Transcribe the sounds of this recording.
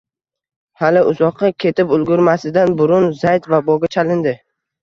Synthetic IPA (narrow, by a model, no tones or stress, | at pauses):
halɪʊzɒqʰɑkʲʰe̞t̪ʰɪpʊlˠɡʲʊɾmasɪd̪anbʊɾʊnzajt̪vabɒɡʲat͡ʃʰalɪnd̪ɪ